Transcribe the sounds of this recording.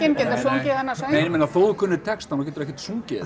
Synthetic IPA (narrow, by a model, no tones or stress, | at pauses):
ɛncɛːt̪asuŋcɪaðɛnːasamejnɪmɛnafoːwðʏkʰʏnːʏt̪ʰɛkst̪anɔcɛːt̪ʏɾɛhcɛɾt̪suŋcɪ̰